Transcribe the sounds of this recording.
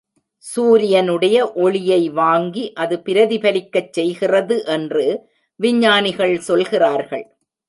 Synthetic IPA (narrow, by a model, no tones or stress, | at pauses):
suːɾɪjɐnɯɽɐjɐʔɔɭɪjɐɪʋaːŋɡiʔɐðɯpɪɾɐðipɐlɪkːɐt͡ʃsɛjɣɪrɐðɯʔɛndrɯ | ʋɪɲːaːnɪɣɐɭsɔlɣɪraːɾɣɐɭ